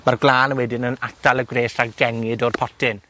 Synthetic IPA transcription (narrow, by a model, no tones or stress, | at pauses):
marɡlˠaːnwɛdɪnənatʰalˠəɡreːsaɡɛŋɪdɔrpʰɔtʰɪn